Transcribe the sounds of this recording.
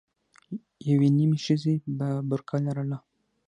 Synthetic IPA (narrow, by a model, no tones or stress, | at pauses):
jawenimeʃəzebabʊɾkʰɑlaɾala